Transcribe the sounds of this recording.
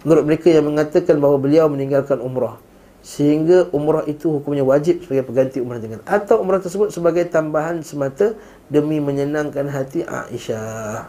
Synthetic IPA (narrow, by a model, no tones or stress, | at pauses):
mənuɾʊt̪̚məɾekajaŋmə̃ŋat̪akanbaɦwabəliawməniŋɡalkanumɾɔh | səɦiŋɡaʔumɾɔhit̪uhukumɲawad͡ʒɪp̚səbaɡajpəɡant̪iumɾɔhant̪əŋanat̪awumɾɔht̪ərsəbʊt̪̚səbaɡajt̪ambaɦansəmat̪a | dəmĩmə̃ɲənãŋkanɦat̪iʔa̰ʔḭʃa